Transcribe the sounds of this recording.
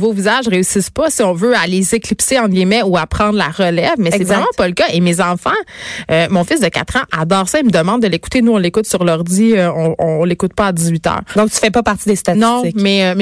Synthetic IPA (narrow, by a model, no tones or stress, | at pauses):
vovizaʒʁeysispʌsiɔ̃vøalezeklipseɑ̃ɡʲimɛuapχɑ̃d̪ʁla̰ʁəlɛvmɛssɛvʁɛmãɑ̃pʌləkʌʔemezɑ̃fɑ̃ømɔ̃fɪs̬d̪əkʲa̰t̪χɑ̃ʔad̪ɑːʁsʌeməd̪əmɑ̃d̪̚ːəleku̥t̪enuɔ̃lekʊt̪syʁlœʁd̪iøɔ̃ɔ̰̃ɔ̃lekʊt̪̚pʌad̪izɥit̪œ̰ːʁd̪ɔ̃k̚t̪y̥fɛpɔpaʁt̪id̪est̪anɔ̃ɪmɛm